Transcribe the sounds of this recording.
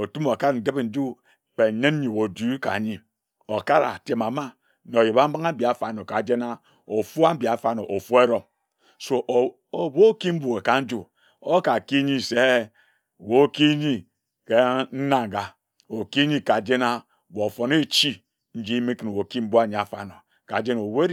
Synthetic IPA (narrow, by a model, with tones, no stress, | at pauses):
o˨tu˦mo˨ka˦ɾn̩˨de˦be˨n̩˦d͡ʒu˦ | k͡pe˨ɲe˦n˦ɲi˨wo˨du˦ka̰˨ɲi˦ | o˨ka˦ɾa̰˨te˨ma˨ma˦ | no˨ji˨ba˦m̩˦ba˦ŋa˦bi˨a˨fa˨no˨ka˨d͡ʒe˦na˦ | o˨fu˦a˦m˦bi˨a˨fa˨no˨ʔo˨fu˦e˦ɾo˦m | so˦ʔ | o˨wo˦ki˦m̩˦bu˦˨e˨ka˨n̩˦d͡ʒu˦ | o˦ka˨ki˦ɲi˦se˦˨ | wo˦ki˦ɲi˦ | ke˦n̩˦na˦˨ŋ˨ɡa˨ | o˨ki˦ɲi˦ka˨d͡ʒe˦na˦˨ | wo˨o˨fo˨ne˦t͡ʃi˦ | n̩˦d͡ʒi˦mi˦kɨ˨n˨wo˨ki˦m̩˦bu˦a˦˨ɲi˨a˨fa̰˨no˨ | ka˨d͡ʒe˦no˨we˦